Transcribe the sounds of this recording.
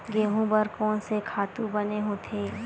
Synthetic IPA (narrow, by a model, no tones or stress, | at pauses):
ɡeːɦũbəɾkɔːnsekʰaːt̪ũbɐneɦõːt̪ʰeː